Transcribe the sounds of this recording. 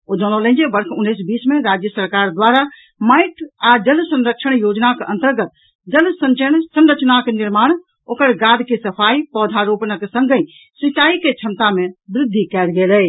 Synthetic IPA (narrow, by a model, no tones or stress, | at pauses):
od͡ʒɔ̃nolə̃nd͡ʒebəɾkʰunːisbismeɾad͡ʒjəsəɾkaɾd̪waɾa | maɪʈʰad͡ʒəlsə̃nɾəkʃʰəɳjod͡ʒnakʔə̰̃nt̪əɾɡət̪ | d͡ʒəlsə̃ɲt͡ʃənsənɾət͡ʃnakeniɾmaːɳ̃ | okəɾɡad̪ʱkesəpʰaipɔːd̪ʱaɾopnəksə̃ŋɡə | sit͡ʃaiket͡ʃʰəmt̪amebɾɪd̪ʱːikɛlɡelə